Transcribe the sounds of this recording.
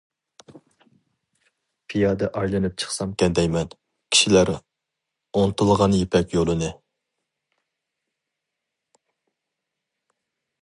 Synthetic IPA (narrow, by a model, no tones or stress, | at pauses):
pʰijɑd̪ɛʔɑjlˠɨnɨp̚t͡ʃʰə̥χsɑmkʲɛnd̪ɛjmɛn | kʲʰi̥ʃilæɾ | ont̪ʰɨlˠʁɑnjepʰɛkʲjolˠɨnɨ